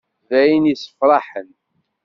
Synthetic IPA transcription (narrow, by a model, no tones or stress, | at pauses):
væjənisə̥fɾˤɑħən